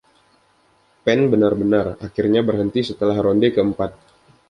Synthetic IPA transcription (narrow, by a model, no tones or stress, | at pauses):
pɛnbənarbənarakirɲabərɦənt̪isət̪əlahɾondekəəmpat̪̚